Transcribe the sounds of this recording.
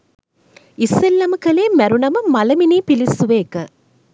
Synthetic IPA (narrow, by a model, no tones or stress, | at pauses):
isʋelːɐmɐkɐleːmɛɾunɐmɐmɐlɐmineːpilisːuʋeːkɐ